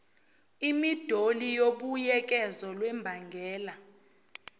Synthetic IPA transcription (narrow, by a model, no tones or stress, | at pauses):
imid̥ʱolijoɓujɛk̬ʼɛzɔlwɛmbʱaŋɡʱɛːla